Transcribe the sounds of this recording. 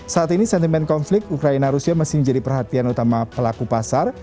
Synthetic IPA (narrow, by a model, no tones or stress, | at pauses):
saat̪inisɛnt̪imɛnkɔnflɪk̚t̪ukɾainaɾusiamasɪməɲd͡ʒadipərɦat̪ianut̪amapəlakupasar